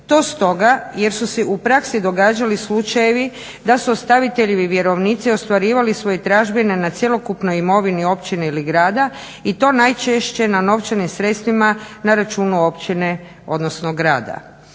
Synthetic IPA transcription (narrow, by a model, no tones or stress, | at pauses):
t̪o̞ːst̪o̞ɡaje̞ɾsuseʔupɾaksid̪o̞ɡaːd͡ʒalislut͡ʃajeʋi | d̪asuost̪aʋit̪e̞ʎeʋiʋje̞ɾo̞ʋniːt̪sio̞st̪ʋaɾiːʋalisʋojet̪ɾaːʒbenenat̪sjelo̞kupno̞jimo̞ʋinio̞pt͡ʃineiliɡɾaːd̪a | it̪o̞najt͡ʃeʃt͡ɕe̞nano̞ʋt͡ʃanimsɾe̞t̪st̪ʋimanaɾat͡ʃuːnuo̞pt͡ʃine | o̞d̪no̞snoɡɾa̰ːd̪a̰